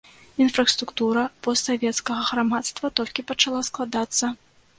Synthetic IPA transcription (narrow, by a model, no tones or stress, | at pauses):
infɾɐst̪ɾukt̪uɾɐpɔst̪savʲɛt̪skɐɣɐɣɾamat̪st̪vɐt̪ɔlʲkʲipɐt͡ʂalˠasklˠad̪at̪sːɐ